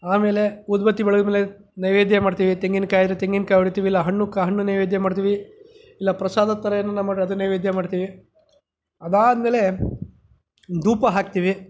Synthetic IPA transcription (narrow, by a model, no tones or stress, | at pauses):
aːme̞ːle̞ud̪bɐt̪ːibɛɭɐɡɐɐmeːle | nɐjʋeːd̪jɐmaːɖt̪iːʋit̪eŋɡinkaːjd̪ɾet̪eŋɡinkaːjuɽit̪iːʋilːɐɦɐɳːukaɦɐɳːunɐjʋeːd̪jɐmaːɖt̪iːʋi | ilːɐpɾɐsaːd̪ɐt̪ːɐɾɐjɐnːɐnːɐmaːɖɐd̪unɐjʋeːd̪jɐmaːɖt̪iːʋi | ɐd̪aːd̪meːle̞ | d̪uːpɐɦaːk̚t̪iːʋi